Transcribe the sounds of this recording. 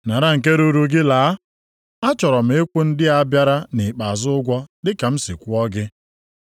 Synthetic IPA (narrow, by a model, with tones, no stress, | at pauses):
na˨ɾa˦˨ŋ̩˨ke˦ɾu˦ɾu˨ɡɪ˦laː˨˦ | a˦t͡ʃɔ˨ɾɔ˨m̩˨˦e˦kʷu˦n̩˦dɪ˦a˦bja˦ɾa˦nɪ˨k͡pa˨zʊ˦ʊ˦ɡʷɔ˦dɪ˦ka˨m̩˦si˨kʷu˦ɔ˦ɡɪ˦